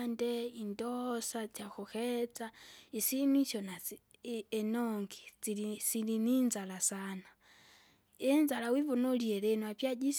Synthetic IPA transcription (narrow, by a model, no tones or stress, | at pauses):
ndɛindɔsat͡sakuxɛt͡saisinit͡ʃɔna | ɛnɔŋɡid͡ziisilininzalasana | ɛnd͡zalawivɔnɔliɛɾɛnwapjad͡ʒis